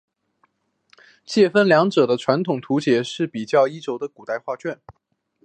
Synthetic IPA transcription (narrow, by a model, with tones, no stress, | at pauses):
t͡ɕjɛ˥˧fə˥˩nljɑ˧˥ŋʈ͡ʂɤ˨˩d̪ə˦ʈ͡ʂʰwa˧˥nt̪ʰʊ˨˩ŋt̪ʰu˧˥t͡ɕjɛ˨˥˦ʂɻ̩˥˩pi˨˩t͡ɕjɑ˥˩ʊi˥ʈ͡ʂo˧˥ʊd̪ə˧ku˨˩t̪a˥˧ɪxwa˥˧t͡ɕɥɛ˥˩n